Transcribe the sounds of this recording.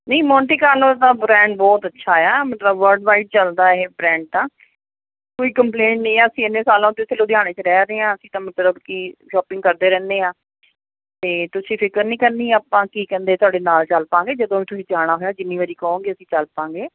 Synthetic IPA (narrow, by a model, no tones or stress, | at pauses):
nəiːmɔːʈiːkaːɾnod̪aːbɾɛ̃ːɳɖbɔːt̪ətːʃʰaːɛaːmət̪ləbʋəɾɖʋaːiʈ̚t͡ʃəld̪aːbɾɛ̃ːɳɖ̚t̪ãː | koːiːkəmpleːɳʈnəĩːɛːəsĩːɪnːeːsaːlãːt̪ɪt̪ʰːeloːd̪jaːɽ̃eːt͡ʃɾɛːɾeːãːəsĩːt̪ãːmət̪ləbkiːʃɔːpɪ̃ŋɡ̚kəɾd̪eːɾɛ̃ːnd̪eːãː | t̪eːt̪ʊsĩːpʰɪkəɾnĩːkəɾniːɛaːpãːkiːkɛ̃ːnd̪eːt̪ʊaːɽeːnaːlt͡ʃəlpãːŋɡeːd͡ʒəd̪õːʋĩːt̪ʊsĩːd͡ʒaːɽ̃aːɦoːjaːd͡ʒɪnːiːʋəɾiːkəõːŋɡeːəsĩːt͡ʃəlpãːŋɡeː